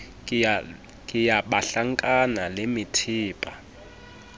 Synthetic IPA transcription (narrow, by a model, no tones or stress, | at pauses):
kʼijaɓaɬaŋkʼanalemitʰiːpʼa